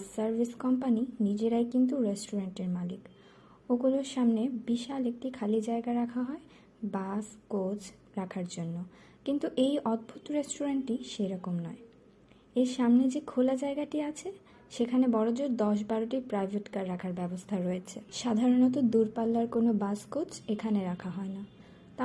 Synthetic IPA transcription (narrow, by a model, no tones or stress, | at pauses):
saɾbʱiskɔmpaninid͡ʑeɾaekint̪uɾesʈuɾaɳʈeɾmalik | oɡuloɾʃamnebiʃalek̚ʈikʰalid͡ʑaeɡaɾakʰaɦɔe | baskot͡ɕ | ɾakʰaɾd͡ʑonːo | kint̪uʔejʔɔd̪̚bʱut̪ɾesʈuɾaɳʈːiʃejɾɔkomnɔe | eɾʃamned͡ʑekʰolad͡ʑaeɡaʈiat͡ɕʰe | ʃekʰanebɔɾod͡ʑoɾd̪ɔʃ̬baɾoʈipɾajbʱeʈkaɾːakʰaɾbɛbost̪ʰaɾɔet͡ɕʰeʃad̪ʱaɾonɔt̪̬od̪uɾpalːaɾkonobaskot͡ɕekʰaneɾakʰaɦɔena | t̪a